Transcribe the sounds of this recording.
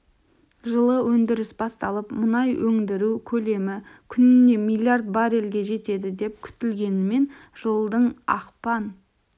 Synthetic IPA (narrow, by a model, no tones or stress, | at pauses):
ʒəlˠəwɵnd̪ɪɾɪsbɑst̪ɑlˠəpmʊnɑjwɵŋd̪ɪɾukʲʰɵle̞mɪkʲʰʏnɪne̞mijlʲˠijart̪̚bɑɾelɡʲe̞ʒe̞t̪e̞d̪ɪd̪e̞p̚kʲʰʏ̥t̪ɪlɡʲe̞nɪme̞nʒolˠd̪əɴɑ̰qpɑn